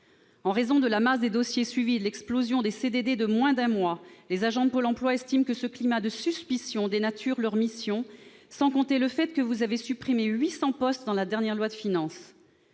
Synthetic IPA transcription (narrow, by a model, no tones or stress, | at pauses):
ɑ̃ʁezɔ̃d̪əlamasd̪ed̪ɔsjesɥivid̪lɛksplozjɔ̃d̪esed̪ed̪ed̪əmwɛ̃d̪ɛ̃mwalezaʒɑ̃d̪əpolɑ̃plwaɛst̪imkəsəklimad̪əsyspisjɔ̃d̪enat̪ʰyʁlœʁmisjɔ̃ | sɑ̃kɔ̃t̪eləfɛt̪kəvuzavesypχimeɥisɑ̃pɔst̪d̪ɑ̃lad̪ɛʁnjɛʁlwad̪əfinɑ̃s